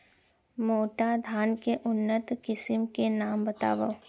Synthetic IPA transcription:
moːʈad̪ʱaːnkeʔʊnːət̪kɪsɪmkenaːmbət̪a̰ːʋəʋ

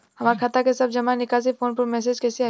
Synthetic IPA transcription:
hɐmaːɾkʰat̪akesɐb̚d͡ʒɐmanɪkaːzipoːnpɐɾmɛːs̬eːd͡ʒkɛːsiaː

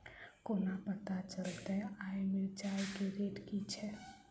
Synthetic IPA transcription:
konapət̪at͡ʃəlt̪ɛaːjmɪld͡ʒajkeɾeːʈkit͡ʃʰɛ

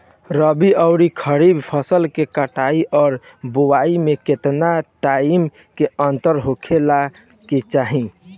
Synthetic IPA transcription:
ɾəbiʔəʊɾikʰəɾibpʰəsəlkekəʈaiʔɔːɾ | buwaimeket̪naʈaim | keənt̪əɾɦokʰela | ket͡ʃaɦĩ

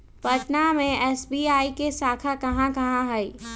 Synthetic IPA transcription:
pɐʈnamẽɛːsbiːaːikesaːkʰakɐɦãkɐɦãɦɛi

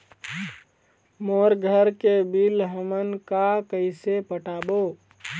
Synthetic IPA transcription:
moɾɡʱəɾkebilɦəmənkakəɪsepəʈabo

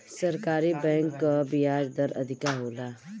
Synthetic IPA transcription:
sɐɾkaːɾibɛ̃ːŋkːabiaːɾd̪əɾɐ̰d̪ʱɪkaɦoːlaː

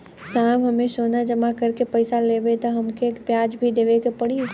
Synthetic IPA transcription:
saːmɦɐmẽsoːnad͡ʒɐmakɐɾkepɐɪsaleːbet̪oɦɐmkekpjaːd͡ʒbʱid̪eːʋekepɐɽi

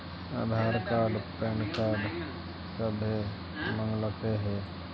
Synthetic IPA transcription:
a̰ːd̪ʱaːɾkaːɖpɛːnkaːɖ | səbʱe | mə̃ŋɡlət̪eɦɛː

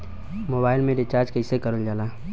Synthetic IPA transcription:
moːbaːɪlmẽɖɪt͡ʃaːɾd͡ʒkəɪsekəɾold͡ʒaːla

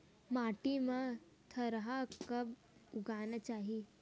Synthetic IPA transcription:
maʈimə | t̪ʰəɾɦakəb | uɡanət͡ɕaɦi

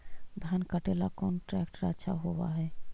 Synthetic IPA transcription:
d̪ʱankəʈelakɔnʈɾɛkʈɾəʃʰa̰ɦoba̰ɦɛ

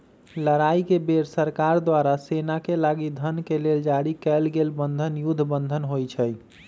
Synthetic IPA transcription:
ləɾaikebeɾsəɾkaɾd̪waɾasenakelaɡid̪ʱənkeleld͡ʒaɽikɛlɡelbənd̪ʱənjud̪ʱːbənd̪ʱənɦojt͡ʃʰəj

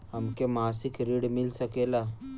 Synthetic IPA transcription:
hɐmkemaːsɪkɾiːɽmɪlsɐkeːlaː

